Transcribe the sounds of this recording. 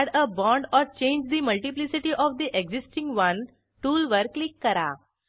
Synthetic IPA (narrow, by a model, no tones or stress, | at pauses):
ɽəbɔ̃ɳɖɔɾt͡ɕẽɲd͡ʑd̪iməlʈiplisiʈiʔɔʋd̪iʔeɡzisʈĩŋɡʋə̃n | ʈuːlʋəɾklikːəɾa̰